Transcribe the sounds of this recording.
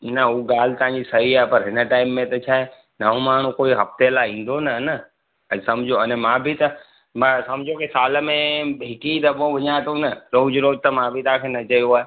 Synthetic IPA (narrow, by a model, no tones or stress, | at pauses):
nəuːɠaːl̤ɪt̪ɐʋãːɲd͡ʑisɐɦiaːepɐɾɦɪnəʈaːɪmːẽt̪ɐt͡ʃʰaːɦe | nɐõmaːɳ̤ũkoːiɦɐft̪elaĩːn̆d̪onɐnə | əsɐmd͡ʑʱoənemãbʱɪt̪ɐ | mãsɐmd͡ʑʱokisaːlmẽbɦɪkid̪ɐbõʋɐɲãt̪ũnɐɾoːd͡ʑɾoːd͡ʒt̪ɐmãbʱit̪ãːkʰeːnɐt͡ʃɐjoaːe